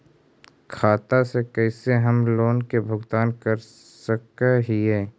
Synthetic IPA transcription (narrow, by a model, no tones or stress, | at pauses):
kʰaːt̪asekɛːseɦɐmloːnkebʱʊɡt̪aːnkɐɾ | səkeɦiɦɛː